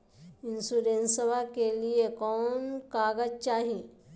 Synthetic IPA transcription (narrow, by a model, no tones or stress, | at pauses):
ɪnsuɾẽnsəbakeliekɔːnkaːɡəd͡ʒt͡ʃaːɦi